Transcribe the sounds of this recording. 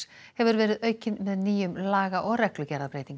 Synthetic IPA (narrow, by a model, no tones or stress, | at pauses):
hɛvʏɾvɛːɾɪðœːɥcɪnmɛðniːjʏmlaːɣaʔɔɣɾɛklʏcɛɾðapɾeːjt̪iŋk